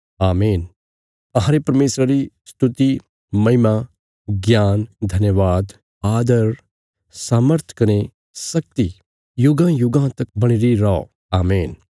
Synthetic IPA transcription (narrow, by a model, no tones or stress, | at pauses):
aːmeːn | ɐ̃ɦãːɾepɐɾmeːsɾaɾisʈʰʊt̪i | mɐɦɪma | ɡjaːnd̪ʱɐnjəʋaːd̪ | aːd̪əɾ | saːməɾt̪ʰkɐne | sɐk̚t̪i | jʊɡãjʊɡãt̪ɐk̚bɐɽ̃iɾiɾɔː | aːmeːn